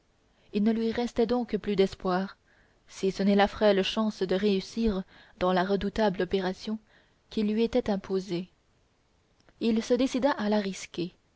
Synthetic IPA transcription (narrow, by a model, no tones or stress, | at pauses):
ilnəlɥiʁɛst̪ɛd̪ɔ̃kplyd̪ɛspwaʁ | sisənɛlafχɛlʃɑ̃sd̪əʁeysiːʁ | d̪ɑ̃laʁəd̪ut̪ablɔpeʁasjɔ̃ | kʲilːɥiet̪ɛt̪ɛ̃pʰoze | ilsəd̪esid̪aʔalaʁiskʲe